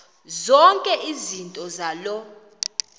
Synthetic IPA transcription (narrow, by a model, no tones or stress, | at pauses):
zɔŋkʼɛʔizintʼɔzalɔ